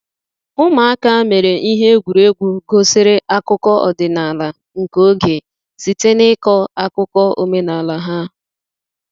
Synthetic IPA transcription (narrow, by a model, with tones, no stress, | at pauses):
ʊ˦ma˨a˦ka˦me˨ɾe˨ʔi˦ɦe˦ɡʷu˨ɾe˦ɡʷu˦ɡo˦sɪ˦ɾe˦ʔa˦kʊ˦kɔ˦ɔ̰˨dɪ˨na˨la˨ | ŋ̩˨ko˦ɡe˨ | si˨te˦nɪ˦kɔ˦a˦kʊ˦kɔ˦o̰˨me˦na˨la˨ɦa˦